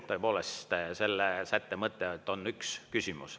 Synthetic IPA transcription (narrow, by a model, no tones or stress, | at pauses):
t̪oepo̞ːlest̪se̞lːesæt̪ːemɤt̪ːˑeet̪ːˑo̞nːykskysʲimṵs